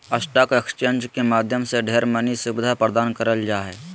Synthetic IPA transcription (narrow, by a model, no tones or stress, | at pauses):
əsʈaːkoekst͡ʃẽːɲd͡ʒkemaːd̪ʱjəmseɖʱeːɾmənisubɪd̪ʱapɾəd̪aːnkəɾəld͡ʒaːɦɛː